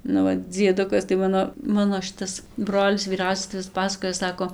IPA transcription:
nʊ ˈʋɐ d͡zʲiɛˈdʊkɐs tɐɪ ˈmɑːnoː ˈmɑːnoː ˈʃʲɪtɐs ˈbroːlʲɪs ʋʲiːˈrɐʊsʲɛs tɐɪ ˈʋʲɪs ˈpɑːsɐkoːjoː ˈsɑːkoː

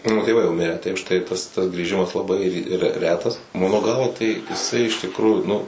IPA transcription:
ˈmɑːnoː tʲeːˈʋɐɪ jɛʊ mʲɪˈrʲæː tɐɪ ʊʃ tɐɪ tɐs tɐs ɡrʲiːˈʒʲɪmɐs lˠɐˈbɐɪ rʲɛ ˈrʲæːtɐs ˈmɑːnoː ˈɡɐlˠʋɐ tɐɪ jɪˈsɐɪ ɪʃ tʲɪkˈruːjʊ ˈnʊ

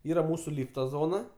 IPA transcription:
ˈiːrɐ ˈmuːsʊ ˈlʲiːftɐ ˈzoːnɐ

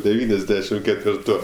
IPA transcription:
dʲɛˈʋʲiːnʲɛzʲˌdʲæːʃʲɪm kʲɛtʲʋʲɪrˈtuː

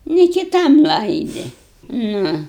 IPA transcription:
nʲɪ kʲɪˈtɐm ˈlˠɐɪdʲɪ ˈnʊ

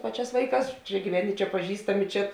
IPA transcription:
ˈpɑːˌt͡ʃʲæːs ˈʋɐɪˌkɑːs ˈt͡ʃʲɛ ɡʲiːˈʋʲæːnʲɪ ˈt͡ʃʲɛ pɐˈʒʲiːstɐmʲɪ ˈt͡ʃʲɛ

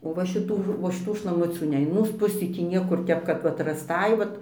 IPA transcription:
oː ʋɐ ʃʲɪˈtuː oː ʃʲɪˈtuː ʃlˠɐˈmʊt͡sʲuː ˈnʲɛ ɪn ˈmuːs ˈpʊsʲiː ˈtʲiː ˈnʲiɛkʊr ˈtʲɛp kɐt ˈʋɐt rɐsˈtɐɪ ˈʋɐt

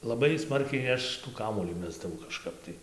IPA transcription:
lˠɐˈbɐɪ ˈsmɐrʲkʲɛɪ ˈɐʃ tuː kɐˈmuɔlʲiː ˈmʲæːzdɐʋɐʊ kɐʃˈkɐp tɐɪ

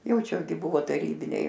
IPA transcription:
ˈjɛʊ ˈt͡ʃʲɛ ɡʲɪ ˈbʊʋoː tɐˈrʲiːbʲɪnʲɛɪ

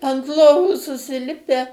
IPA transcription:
ɐnt ˈlˠoːʋuː sʊsʲɪˈlʲɪpʲɛ

